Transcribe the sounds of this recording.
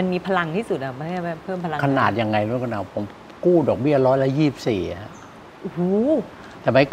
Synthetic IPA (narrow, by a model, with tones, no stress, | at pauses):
ma˧nmiː˧pʰa˧la˧ŋt̪ʰiː˥˩su˨˩t̪̚ʔa˨˩ma˧˥kʰa˥˩ma˧˥˩pʰɤː˥˩mpʰa˧a˧ŋkʰa˧naː˨˩t̪̚ja˧ŋːa˧jnu˦˥˨nkʰːnʔaː˧˩wpʰo˩˦m | kuː˥˩dɔː˨˩k̚bi˥˩ɐɾɔː˦˥jla˦˥jiː˥˩i˨p̚siː˨˩˦ha˦˥ʔ | ʔu˦˩ | t̪ɛː˨˩ma˦˥